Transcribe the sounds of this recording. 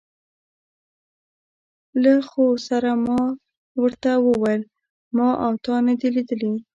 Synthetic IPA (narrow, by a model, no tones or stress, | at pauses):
laxosaɾamɑ | wəɾt̪awəwajl | mɑʔawt̪ɑnad̪ilid̪əli